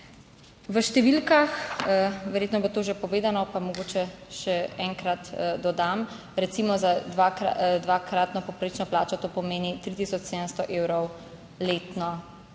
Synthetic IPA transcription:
ʋəʃt̪ɛʋilkax | ʋɛɾjeːt̪nɔbot̪oːʒepɔʋeːd̪anɔpamɔɡoːt͡ʃɛʃɛɛŋkɾat̪d̪ɔd̪am | ɾɛt̪simɔzad̪ʋaka̰d̪ʋakɾat̪nɔpɔpɾɐit͡ʃnɔplaːt͡ʃɔt̪oːpɔmeːnit̪ɾit̪isɔt͡ʃseːd̪ənst̪ɔʔeːwɾɔw | leːt̪nɔ

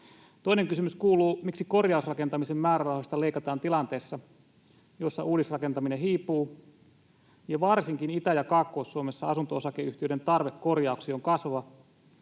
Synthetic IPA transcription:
t̪o̞ineŋkysymyskuːluːmiksiko̞rjɑusrɑke̞nt̪ɑmisemːæːɾærɑuwhost̪ɑle̞ikɑt̪ɑːnt̪ilɑnt̪e̞ːsːɑ | jo̞sːɑ̰ʔuːdisrɑke̞nt̪ɑmineɦiːpːˑuː | jɑʋɑrsiŋkinit̪æjɑkɑːkːo̞ːsːuome̞sːɑɑsunt̪oosɑkeyht̪iøde̞nt̪ɑrʋekko̞rjɑuksioŋkɑsʋɑʋɑ

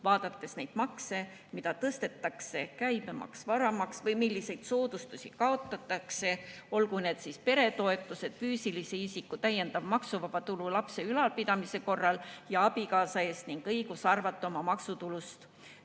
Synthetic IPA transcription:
vɑːd̪̥ɑt̪ːe̞sne̞jd̪̥mɑkse̞ | mid̪ɑt̪ɤst̪e̞t̪ːɑkse̞kæjbemɑ̰ksvɑɾɑmɑksvɤjmilːise̞jd̪̥so̞ːd̪̥ust̪usʲikɑot̪ːˑɑt̪ːˑɑkse̞o̞lkune̞ːd̪̥sispe̞ɾe̞t̪o̞e̞t̪ːˑuse̞d̪̥fyːsiliseisikːut̪æjːe̞nd̪ɑvmɑksuvɑpɑt̪ululɑpse̞ylɑlpid̪ɑmise̞ko̞rːɑljɑɑb̥ikɑːsɑe̞ːst̪niŋɡ̥ɤjɡ̥usɑrvɑt̪ːˑo̞mɑmɑksut̪ulust̪

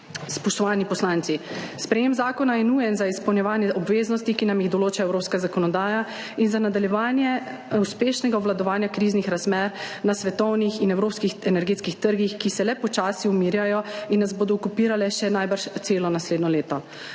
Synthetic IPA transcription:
spɔʃt̪ɔʋaːlnipɔslaːnt̪sispɾɛjeːmzaːkɔnajɛnuːjɛnzaispəwnʲjɛʋaːnjɛʔɔbʋeːznɔst̪ikinamjiɣd̪ɔloːt͡ʃaɛwɾoːpskazakɔnɔd̪aːja | inzanad̪aljɛʋaːnjɛ | uspeːʃnɛɡaɔʋlad̪ɔʋaːnjakɾiznixɾazmɛːɾnasʋɛt̪ɔwnixinɛwɾoːpskixɛnɛɾɡeːt̪skixt̪əɾɡixkisɛlɛpɔt͡ʃaːsiumiːɾjajɔinːazboːd̪ɔukupiːɾalɛʃɛnajbəɾʃt̪seːlɔnasleːd̪nɔleːt̪ɔ

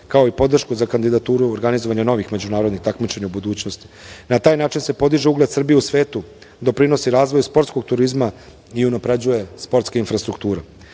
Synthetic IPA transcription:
kao̞ipo̞d̪r̩ʃkuzakand̪id̪at̪uːɾuoɾɡanizoʋaɲano̞ʋixme̞d͡ʑunaːɾo̞d̪nixt̪akmit͡ʃe̞ɲaubud̪uːt͡ɕnost̪i̥nat̪aːjnaːt͡ʃinse̞po̞d̪iʒeuɡled̪sr̩bijeusʋe̞ːt̪u | d̪o̞pɾino̞siɾaːzʋo̞jspo̞ɾt̪sko̞ɡt̪uɾizma | iunapɾed͡ʑuje̞spo̞ɾt̪skeinfɾast̪ɾukt̪uːɾe

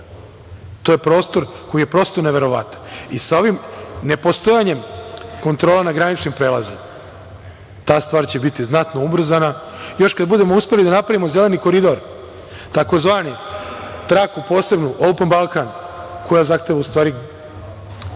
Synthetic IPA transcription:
t̪o̞je̞pɾo̞ːst̪o̞ɾko̞jije̞pɾo̞ːst̪oneʋe̞ɾo̞ʋa̰t̪ḁnisao̞ʋimne̞post̪o̞jaɲe̞mko̞nt̪ɾolanaɡɾanit͡ʃnimpɾeːlˠazima | t̪aːst̪ʋaːɾt͡ɕebit̪iznat̪no̞ubr̩zana | jo̞ʃkad̪̚bud̪e̞mouspe̞lid̪anapɾaʋimo̞ze̞leniko̞ɾid̪o̞ɾ | t̪ako̞zʋaːnit̪ɾakupo̞ːse̞bnuʔolpenmbalˠkanko̞jazaxt̪eʋaust̪ʋaːɾi

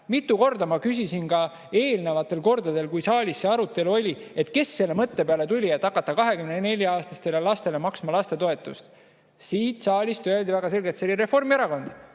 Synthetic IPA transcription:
mit̪ːˑuko̞rd̪ɑmɑkys̬ʲisinkɑ | e̞ːlnevɑt̪ːˑe̞lko̞rd̪ɑd̪e̞lkujsɑːlʲisːe̞ɑɾut̪ːˑe̞luo̞lʲie̞t̪ke̞sːe̞lːemɤt̪ːe̞peɑle̞t̪ulʲiet̪ːˑɑkːɑt̪ːˑɑkɑɦe̞kymnene̞lʲjɑɑːst̪ɑst̪e̞lelɑst̪e̞le̞mɑksmɑlɑst̪e̞t̪o̞e̞t̪ːˑust̪ | siːt̪sɑːlʲist̪yælʲd̪ivæɡ̥ɑse̞lɡe̞t̪selʲiɾe̞fo̞rmieɾɑko̞nd̪̥

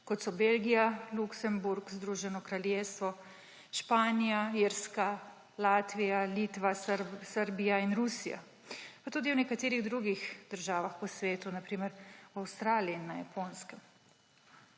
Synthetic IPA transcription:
kɔt̪sɔbelɡijaluksɛmbuɾkzd̪ɾuʒɛnɔkɾaljeːst̪ʋɔ | ʃpaːnijaiɾska | laːt̪ʋijalit̪ʋasəɾbijainɾusija̰ | pat̪uːd̪iwnɛkat̪eːɾiɣd̪ɾuɡixd̪̥əɾʒaːʋaxpɔsʋeːt̪unapɾiːmɛɾwawst̪ɾaːliiːnːaja̰pʰonskɛm

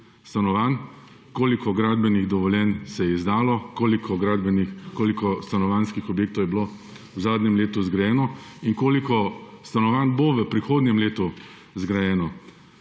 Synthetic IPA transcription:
st̪anɔʋan | koːlikɔɡɾaːd̪̚bɛniɣd̪ɔʋɔljɛnsɛjɛizd̪aːlɔkoːlikʰɔɡɾad̪bɛnikoːlikɔst̪anɔʋanskixɔbjeːkt̪ɔwjɛblo | wzaːd̪nɲɛmleːt̪uzɡɾajɛːnɔiŋkoːlikɔst̪anɔʋaːnboʋəpɾixoːd̪nʲɲɛmleːt̪u | zɡɾajɛːnɔ

